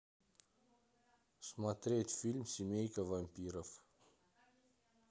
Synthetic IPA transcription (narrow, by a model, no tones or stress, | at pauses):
smat̪ɾet̪filmʲsimejkʲavampiɾəf